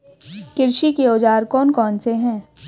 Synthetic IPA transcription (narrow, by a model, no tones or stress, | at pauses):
kɪɾʃikeoːd͡ʒaːɾkɔːnkɔːnseɦɛ̃ː